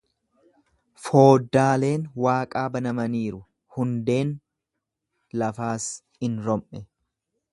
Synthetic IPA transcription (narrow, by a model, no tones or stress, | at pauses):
fo̞ːd̪ːaːle̞ːnwaːkʼaːbɐnɐmɐniːɾʊ | hʊnd̪e̞ːn | lɐfaːs | ɪnɾɔmʔɛ